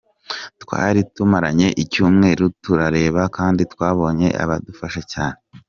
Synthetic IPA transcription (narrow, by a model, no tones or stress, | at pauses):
twa̰ːɾitumaɾaɲe̞ʔicuːmŋe̞ːɾutuɾaɾe̞ːβakaːnditkwaːβo̞ɲe̞ʔa̰βadufaʃecaːne